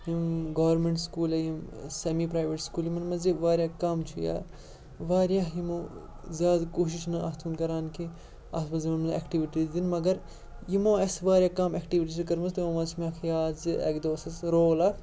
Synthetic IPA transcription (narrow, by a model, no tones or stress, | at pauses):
jimɡɐʋɐɾmẽɳʈskuːlɐjimsemipɾaːjʋeʈskuːljimɐnmɐziʋaːɾʲjaːkɐmt͡ʃʰuja̰ː | ʋaːɾjaːɦjimoː | zʲaːd̪koːʃ̬iʃnɐaːt̪ʰunkɐɾaːnki | a̰sbɐzimɐnmɐnḛkʈiʋiʈizd̪inmɐɡɐɾ | jimõːɐsʋaːɾʲjaːkɐmekʈiʋiʈit͡ʃʰikɐɾmɐst̪ɐmõːmɐt͡ʃʰmakʰjaːzɨḛkd̪oːsɐsɾoːɣlaː